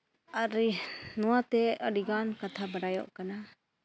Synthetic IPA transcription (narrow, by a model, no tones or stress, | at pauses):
aɾinɔwat̪ɛəɽiɡankat̪ʰabaɽajɔ̰ʔkana